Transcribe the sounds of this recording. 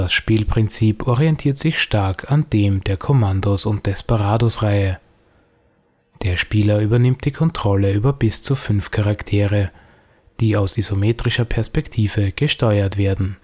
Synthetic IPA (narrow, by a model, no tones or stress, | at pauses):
d̥asʃpiːlpʁ̥ɪnt͡siːpɔʁiɛntʰiːɐtz̥ɪçʃtaɐkʰand̥eːmd̥eːɐkʰomandosʊnt̚d̥ɛspaʁaːdosʁaɪə | d̥eːɐʃpiːlɐyːbɐnɪmt̚d̥iːkʰɔntʁ̥ɔləyːbɐbɪst͡sufʏnfkʰaʁaktʰeːʁə | d̥iːaʊsizomeːtʁ̥ɪʃɐpʰɛɐspɛktʰiːvəɡ̥əʃtɔʏɐtv̥eːɐdn̩